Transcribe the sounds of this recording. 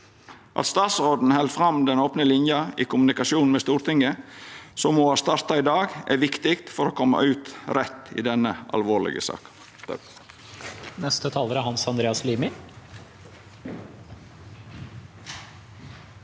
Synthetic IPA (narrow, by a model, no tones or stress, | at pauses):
ʔɑ̰t̪st̪ɑːt̪sɾoːd̪n̩hɛld̪fɾɑmd̪ɛnoːpnəlɪnjɑiːkʰʊmʉnɪkɑsuːnn̩mɛːst̪uːɾt̪ʰɪŋəsɔmːɔːhɑːst̪ɑɾt̪ɑɪd̪ɑːɡʔæ̰ɾʋɪkt̪ɪkt̪fɔɾoːkʰɔmːɑ̰ʔʉːt̪ɾɛt̪ːḭːd̪ɛnəʔɑ̰lʋoːlɪ̰ɡə̰sɑ̰ːk | nɛst̪ət̪ʰɑːləɾæɾhɑnsɑnd̪ɾeːɑsliːmɪ